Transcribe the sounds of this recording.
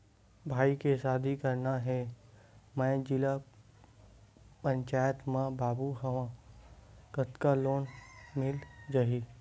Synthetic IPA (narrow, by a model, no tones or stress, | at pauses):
bʱaːikesaːd̪ʱikəɾnaɦɛ | mɛ̃d͡ʒɪla | pə̃ɲt͡ʃaːjət̪mãbaːbuɦɐʋã | kət̪kaloːnmɪld͡ʒaɦi